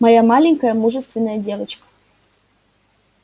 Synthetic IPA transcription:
mɐjamalʲɪŋʲkəjəmuʐɨst̪vʲɪnːəjədʲe̞vət͡ɕkə̥

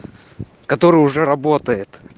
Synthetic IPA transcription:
kɐt̪o̞ɾɨjʊʐɛɾɐbo̞t̪əjɪt̪

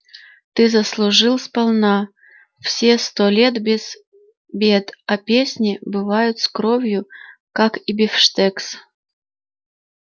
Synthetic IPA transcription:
t̪ɨzɐslˠʊʐɨlˠspɐlˠna | fsʲest̪olʲet̪bʲz | bʲet̪ɐpʲesʲnʲɪbɨvajʊt̪skɾovʲjʊkakibʲɪfʂt̪ɛks

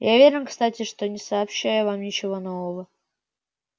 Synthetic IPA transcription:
javʲeɾʲɪnkst̪atʲɪʂt̪o̞nʲɪsɐːpɕːæjʊvamnʲɪt͡ɕɪvo̞no̞vəvə

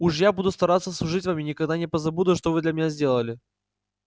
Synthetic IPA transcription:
uʂjabud̪ʊst̪ɐɾat̪sːəslˠʊʐɨtʲvamʲɪnʲɪkɐɡd̪anʲɪpəzɐbud̪ʊʂt̪ovɨd̪lʲəmʲɪnʲazʲdʲe̞lˠəlʲɪ

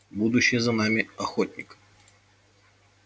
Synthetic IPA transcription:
bud̪ʊɕːɪjəzɐnamʲɪɐxot̪ʲnʲɪk

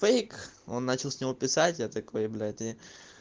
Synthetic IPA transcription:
fejko̞nːat͡ɕɪlˠsʲnʲɪvo̞pʲɪsatʲjat̪akpəjɪvlʲæjʊt̪i

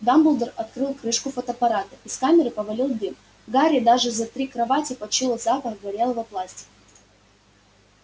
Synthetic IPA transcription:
d̪ambɨlˠd̪ərɐt̪̚kɾɨlˠkɾɨʂkʊfət̪əpɐɾat̪əɪskamʲɪɾɨpəvɐlʲilˠd̪ɨm | ɡaɾʲɪd̪aʐɨzɐt̪ɾʲikɾɐvatʲɪpɐt͡ɕilˠəzapəxɡvɐɾʲelˠəvɐplˠasʲtʲɪ̥k

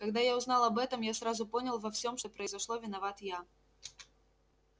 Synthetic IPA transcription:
kaɡd̪ajawznalˠɐbɛt̪ɐmjasɾazʊpɔnʲɐlˠvɐwsʲɔmʂt̪ɔpɾɐjzaʂlˠɔvʲɪnavat̪ja

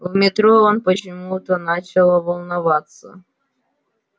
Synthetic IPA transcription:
mʲɪt̪ɾɔɔnpɔt͡ʃɪmut̪ɔnɑt͡ɕɐlˠɔʋɔlˠnɐʋɑt̪sːɐ̰

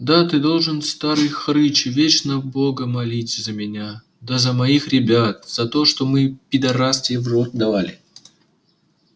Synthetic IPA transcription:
d̪at̪ɨd̪o̞lˠʐɨnst̪aɾɨjxɾɨt͡ɕvʲet͡ɕnəbo̞ɡəmɐlʲit͡sʲzəmʲɪnʲa | d̪azəmɐixɾʲɪbʲat̪̚z̥ɐt̪o̞ʂt̪o̞mɨpʲɪd̪ɐɾast̪ʲɪvrot̪̚d̪ɐvalʲɪ

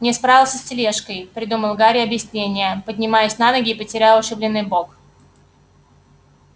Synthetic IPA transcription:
nʲɪspɾavʲɪlˠsʲəsʲtʲɪlʲeʂkəjpɾʲɪd̪uməlˠɡaɾʲɪɐbjɪsʲnʲenʲɪjəpədʲnʲɪmajɪsʲnanəɡʲɪːpətʲɪɾʲalˠʊʂɨblʲɪnːɨjbok

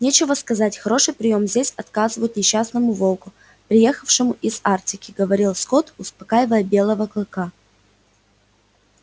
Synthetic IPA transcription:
nʲet͡ɕɪvəskɐzatʲxɐɾo̞ʂɨjpɾʲɪjo̞mzʲdʲesʲɐt̪kazɨvəjʊt̪nʲɪɕːasnəmʊvo̞lˠkʊ | pɾʲɪje̞xəfʂɨmʊʔɪzartʲɪkʲɪɡəvɐɾʲilˠsko̞t̪ʊspɐkajɪvəjəbʲe̞lˠəvəklˠɨka

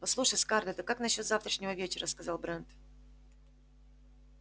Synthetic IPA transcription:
pɐslˠuʂəsʲkard̪ət̪əkaknɐɕːo̞t̪zaft̪ɾəʂnʲɪvəvʲet͡ɕɪɾəskɐzalˠbɾɛnt̪

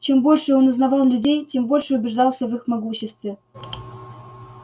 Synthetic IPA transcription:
t͡ɕembolʲʂəonuznɑvɑlˠlʲʉdʲejt͡ɕʲembolʲʂəʊbʲɪʐd̪ɑlˠsʲəvɨxmɑɡuɕːɪst̪vʲe

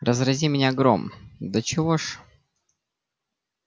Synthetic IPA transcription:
rəzrɐzʲimʲɪnʲaɡɾo̰md̪ət͡ɕɪvoʂ

